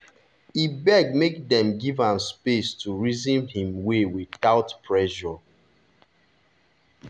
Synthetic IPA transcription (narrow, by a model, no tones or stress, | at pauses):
ibɛɡ̚mekdɛ̃mɡivãnspestuɹizĩnhĩmwewiθaʊtpʰɹɛʃɔ